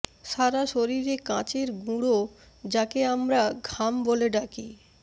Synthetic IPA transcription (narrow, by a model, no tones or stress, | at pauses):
ʃaɾaʃoɾiɾekãt͡ɕeɾɡũɽo | d͡ʑakeamɾaɡʱamboleɖaki